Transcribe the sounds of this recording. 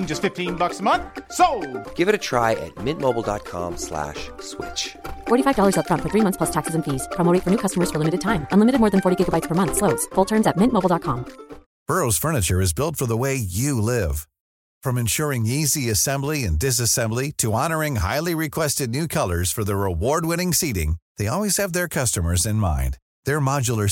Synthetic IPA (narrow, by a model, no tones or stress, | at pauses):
nd͡ʒʌstfɪftʰĩnbʌksəmʌ̃nθsoʊɡ̥ɪvɨɾɨtʰɹ̥a̰ɪʔɨ̰t̚mɪ̃nmoʊbl̩ˠdɑ̰t̚kʰɑ̰̃mslæ̰ʃswɪ̰t͡ʃfɔɹɾifaɪvdɔlˠə˞zətfɹʌ̃ntfə˞θɹimʌ̃θspʰlʌstʰæksɨzɨ̃nfiz̥pʰɑmoɾeɪfə˞nʉkʰʌstəmə˞z̥fə˞lɪ̃mɨɾɨd̚tʰãɪ̃mɨ̃nlɪmɨɾɨd̚mɔːɹðɨ̃nfɔɹɾiɡɪɡəbaɪtspʰə˞mʌ̃nθsloʊtsfʊlˠtʰɜ̃˞mzɨt̚mɪ̃ntmoʊbl̩ˠdɑt̚kʰɑ̃m | b̥ɜ˞oʊz̥fɜ˞nɨt͡ʃə˞ɨzbɪlˠtfə˞ðəweɪjɨlɪv̥ | fɹʌ̃mɨ̃nʃʊɹɪ̃ŋiziɨsɛ̃mbliɨ̰̃ndɨs̬ɨsɛ̃mbliɾʰɨɑnə˞ɪ̃ŋɦa̰ɪlˠiɹɨkʰw̥ɛstɨdⁿnʉkʰʌlˠə˞z̥fə˞ðəɹɪwɔɹd̚wɪ̃ñɪ̃ŋsiɾɪ̰̃ŋðeɪɔlˠwiz̥ɨvðə˞kʰʌstəmə˞zɨ̃nmã̰ɪ̃n | ðə˞mɑd͡ʒl̩ˠə˞